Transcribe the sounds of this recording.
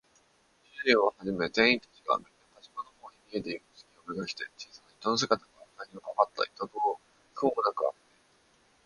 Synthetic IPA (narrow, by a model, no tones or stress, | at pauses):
iioβahaʑime̞zẽ̞ɰ̃ĩnt̪ḁt͡ɕiɡa̰menap̪at͡ɕimonohoːɲʲimʲied̪e̞imɯsɨ̥kʲiomɯɡakʲi̥t̪e̞t͡ɕiːsanaçi̥t̪onos̬ekat̪akaβanaɲiokakat̪ːa̰i̥t̪obɯo | koomonakɯ̟a̰ɡet̪ei